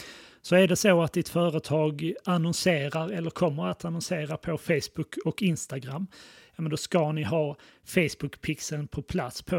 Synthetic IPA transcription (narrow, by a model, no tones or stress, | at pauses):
sɔæɖɛsoat̪̚d̪ɪt̪fœːɾət̪ʰɑːɡanɔnseːɾaɾɛlːəɾkʰɔmːəɾat̪anɔnseːɾapʰɔfejsbɵkʰːɔkɪnst̪aɡɾamːjɑːmɛnd̪ɔskanɪɦɑːfejsbɵkpʰɪksɛlnpʰɔpʰlat̪spʰɔ